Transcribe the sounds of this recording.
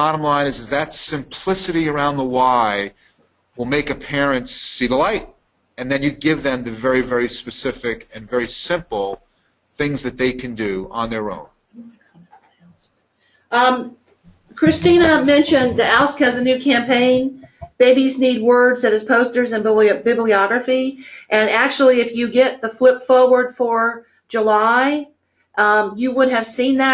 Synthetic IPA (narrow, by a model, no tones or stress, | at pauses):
ɑɾə̃mlãɪ̃nɨzɨzðɨtsɨ̃mpʰl̥ɪsɨɾiə˞ãʊ̃nðəwaɪ | wəlˠmeɪkɨpʰɛɹɨ̃ntsiðəlaɪɾ̚ | ɨ̃nðɨ̃njɨɡɪvðɨ̃mðɨvɛɹivɛɹispɨsɪfɪkɨ̃nvɛɹisɪ̃mpl̩ˠ | θɪ̃ŋzðɨt̪̚ðeɪkʰɨ̃ndɨə̃nðə˞õ̰ʊ̃n | kʰɹ̥ɨstĩnəmɛ̃nʃɨ̃nðiælˠskɨzɨnʉkʰæ̃mpʰẽɪ̃nb̥eɪbiznid̚wɜ˞dzðɨɾɨz̥pʰoʊstə˞zɨ̃nbɪbliɑɡɹɨfiʔɨ̃næk̚t͡ʃl̩ˠiɨfjɨɡɛt̪̚ðəflɪpfɔɹwə˞d̥fə˞ | d͡ʒəlaɪ | ʔjɨwʊɾ̚ɨv̥sĩnðɨ